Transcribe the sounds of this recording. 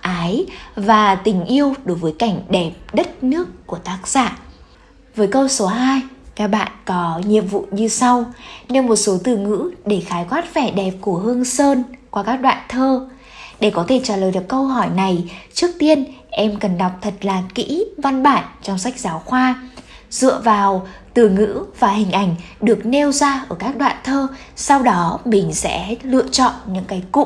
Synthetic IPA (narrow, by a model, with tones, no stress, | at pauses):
ʔaː˨˦jvaː˨˩t̪ï˨˩ŋ̟ʔi˧əwɗo˨˦jvəː˨˦jka˧˩jŋ̟ɗɛ˨˩p̚ɗə˦˥t̚nɨ˦˥əkːu˧˩ət̪aː˦˥k̚z̥a̰ː˧˨ | vəː˨˦jkə˧wso˨˦ɦaː˧jkaː˦˥k̚ɓa̰ː˧˨nkɔ˨˦ɲi˨˩əp̚vṵ˧˨ɲɨ˧sa˧wne˧nmo˨˩t̚so˨˦t̪ɨ˧˩ŋɨ̰˧˥ɗe˧˩xaː˨˦jkwaː˦˥t̚fɛ˧˩ɗɛ˨˩p̚ku˧˩əɦɨ˧əŋsəː˧nkwaː˧kaː˦˥k̚ɗwa̰ː˧˨nt̪ʰəː˧ | ɗe˧˩kɔ˨˦t̪ʰe˧˩t͡ɕaː˧˩ləː˨˩jɗɨ˨˩əkə˧wɦɔ˧˩jna˨˩jt͡ɕɨ˦˥ək̚t̪i˧ənʔɛ˧mkə˨˩nɗa˨˩wk͡p̚t̪ʰə˨˩t̚laː˨˩kḭ˧˥va˧nɓaː˧˩˨nt͡ɕɔ˧wŋ͡msa˦˥jk̟̚zaː˨˦wxwaː˧ | z̥ɨ̰˧˨əvaː˨˩wt̪ɨ˧˩ŋɨ̰˧˥vaː˨˩hï˨˩ŋ̟ʔa˧˩jŋ̟ɗɨ˨˩ək̚ne˧wzaː˧ʔəː˧˩kaː˦˥k̚ɗwa̰ː˧˨nt̪ʰəː˧ | sa˧wɗɔ˨˦mï˨˩ŋ̟sɛ̰˧˥lɨ̰˧˨ət͡ɕɔ̰˧˨nɲɨ̰˧˥ŋkaː˨˦jkṵ˧˨